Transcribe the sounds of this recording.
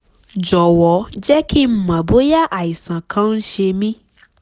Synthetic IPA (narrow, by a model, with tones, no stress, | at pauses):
d͡ʒɔ˨wɔ˨˦d͡ʒɛ˦ki˦m̩˦mã˨bo˦ja˦ʔa˨i˨sã˨kʰã˧˦n̩˦ʃe˧mĩ˦